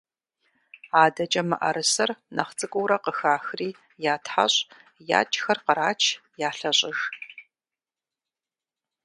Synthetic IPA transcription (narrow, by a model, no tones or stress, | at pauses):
aːdɐt͡ʃʼɐmɨʔɐ̰ɾɨsɐrnɐ̰χt͡sʼɨkʷʼʊwɾɐqəxaːxriː | jaːtʰħa̰ɕʼja̰ːt͡ʃʼxɐrqəɾaːt͡ʃʰjaːɬɐɕʼɪʒ